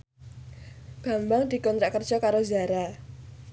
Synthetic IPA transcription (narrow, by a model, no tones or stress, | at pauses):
ɡ̥a̤mbaŋd̪̥i̤kɔnt̪ɾaʔkərd̥ʒ̥ɔkaɾoza̤ɾa